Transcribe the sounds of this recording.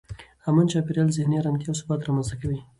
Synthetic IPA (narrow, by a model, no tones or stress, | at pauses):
amant͡ʃɑpɪɾjɑlzɪhneɾamt̪jɑːws̬ʊbɑt̪ɾɑmanzt̪akawi